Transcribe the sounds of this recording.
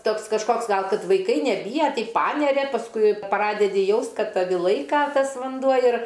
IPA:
ˈtoːks kɐʃˈkoːks ˈɡɐlˠ ˈkɐt ʋɐɪˈkɐɪ nʲɛˈbʲiːjɛ ˈtɐɪ ˈpɑːnʲɛrʲɛ pɐsˈkʊɪ ˈprɑːdʲɛdʲɪ ˈjɛʊst ˈkɐt ˈtɑːʋʲɪ ˈlˠɐɪkɐ ˈtɐs ʋɐnˈduɔ ɪr

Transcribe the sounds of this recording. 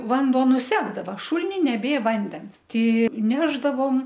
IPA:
ˈʋɐnduɔ nʊˈsʲæːɡdɐʋɐ ˈʃʊlʲɪnʲɪ nʲɛˈbʲeː ˈʋɐnʲdʲɛns ˈtʲɪ ˈnʲæːʒdɐʋoːm

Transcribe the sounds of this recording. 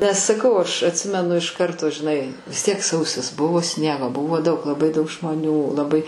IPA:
nʲɛs sɐˈkɐʊ ɐʃ ɐtʲˈsʲɪmʲɛnʊ ɪʃ ˈkɐrtoː ʒʲɪˈnɐɪ ʋʲɪs ˈtʲiɛk ˈsɐʊsʲɪs ˈbʊʋoː ˈsʲnʲiɛɡoː ˈbʊʋoː ˈdɐʊk lˠɐˈbɐɪ ˈdɐʊk ʒmoːˈnʲuː lˠɐˈbɐɪ

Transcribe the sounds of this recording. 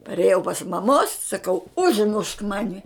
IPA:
pɐrʲeːˈjɛʊ pɐs mɐˈmoːs sɐˈkɐʊ ʊʒˈmʊʃk ˈmɑːnʲɪ

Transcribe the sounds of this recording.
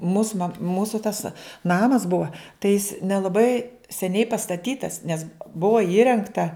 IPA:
muːs mɐk ˈmuːsʊ tɐs ˈnɑːmɐs ˈbʊɐ tɐɪ jɪs nʲɛlˠɐˈbɐɪ sʲɛˈnʲɛɪ pɐstɐˈtʲiːtɐs nʲɛs ˈbʊɐ ˈiːrʲɛŋktɐ

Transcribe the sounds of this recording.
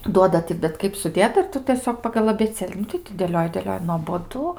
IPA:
ˈduɔdɐ tʲɪ bʲɛt ˈkɐɪp sʊˈdʲeːtɐ ɪr ˈtʊ tʲiɛˈsʲoːk pɐɡɐlˠ ɐbʲeːˈt͡sʲeːlʲɪ ˈnʊ tɐɪ tʲɪ dʲeːˈlʲoːjɪ dʲeːˈlʲoːjɪ nuɔboːˈdʊ

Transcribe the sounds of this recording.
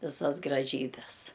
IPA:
ʋʲɪˈsɐs ɡrɐˈʒʲiːbʲɛs

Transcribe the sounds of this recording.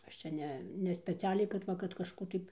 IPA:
ˈɐʃ t͡ʃʲɛ ˈnʲɛ nʲɛ sʲpʲɛˈt͡sʲæːlʲɛɪ kɐt ˈʋɐ kɐt kɐʃˈkuː tɐɪ

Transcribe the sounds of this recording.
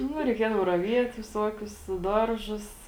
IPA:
ˈnʊ rʲɛɪˈkʲiɛdɐw rɐˈʋʲiɛt ʋʲɪˈsuɔkʲʊs ˈdɐrˌʒʊs

